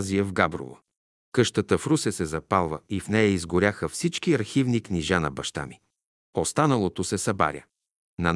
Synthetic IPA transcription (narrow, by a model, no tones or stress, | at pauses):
ziəvɡabɾʊ̰və̰ | kɤʃt̪ət̪əfɾusɛsɛzɐpalˠvəifnɛjɐizɡʊɾʲaxəfsit͡ʃkiɐɾxivnikniʒanɐbɐʃt̪a̰mi | ost̪anəlˠot̪osɛsɐba̰ɾʲə̰ | nɐn